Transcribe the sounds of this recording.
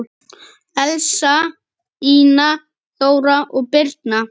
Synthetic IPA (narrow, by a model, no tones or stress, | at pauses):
ɛlsa | iːna | θoːwɾaʔɔɣpɪɾt̪na